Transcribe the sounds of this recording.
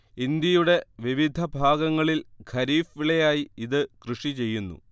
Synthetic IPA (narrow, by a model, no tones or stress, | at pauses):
ind̪jɐjuɽe̞ʋiʋid̪ʱɐbʱaːɡɐŋːɐɭilɡʱɐɾiːfiɭejaːjiiðɨkrɨʂit͡ɕe̞jːunːṵ